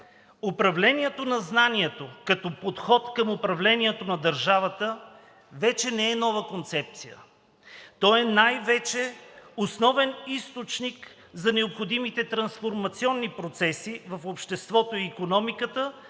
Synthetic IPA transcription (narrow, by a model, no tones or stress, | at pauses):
opɾɐvlɛniɛt̪onɐznaniɛt̪okɐt̪ɔpot̪xɔt̪kəmopɾɐvlɛniɛt̪onɐd̪ɐɾʒavət̪ə | vɛt͡ʃɛnɛɛnɔvəkont̪sɛp̚t̪sijə̰ | t̪ɔɛnajvɛt͡ʃɛosnɔvɛnist̪ot͡ʃnik | zɐnɛopxod̪imit̪ɛt̪ɾɐnsfoɾmɐt̪siɔnːipɾot̪sɛsivɐfopʃt̪ɛst̪vɔt̪oiːkonɔmikət̪ə